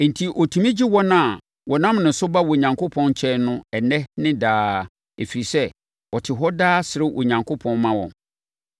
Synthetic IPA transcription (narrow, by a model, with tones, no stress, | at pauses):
n̩˨tʰi˨ʔɔ˨tʰũ˨mĩ˦d͡ʑi˦wɔ˦nã˦˨ | wɔ˨nã˦mnɪ̃˨n˨sʊ˦ba˦wɔ˨ɲã˨ŋkʰʊ˦pʰɔ̃˦nt͡ɕʰɛ˦nʊ̃˦ɛ˨nɛ̃˦nɪ̃˦daː˦ | e˨fi˨i˨sɛ˦ | wɔ˨tʰɪ˨ɦɔ˦daː˦sɪ˨ɾɪ˦wʔɔ̰˨ɲã˨ŋkʰo˦pʰɔ̃˦nmːã˦wɔ̰̃˨n